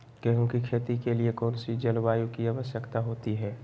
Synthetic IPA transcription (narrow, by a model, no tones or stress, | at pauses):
kɛɦũkikʰeːt̪ikeliekɔːnsid͡ʒɐlʋaːjukiaːʋəʃjəkt̪aɦoːt̪iɦɛː